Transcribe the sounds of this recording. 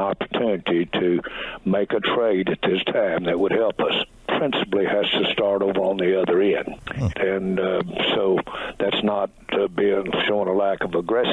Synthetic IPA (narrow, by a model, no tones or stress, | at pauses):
ɑpə̥˞tʰʉnɨɾiɾɨmeɪkɨtʰɹ̥eɪɾɨt̪̚ðɪstʰãɪ̃mðɨt̚wəd̚hɛlˠpʌs | pʰɹ̥ɪ̃nsəplihɨz̥tʰɨstɑɹɾoʊvə˞ə̃nðiʌðə˞ɪ̃nɨ̃nsoʊðætsnət̚biɪ̃ŋʃõʊ̃nəlækʌvəɡɹɛs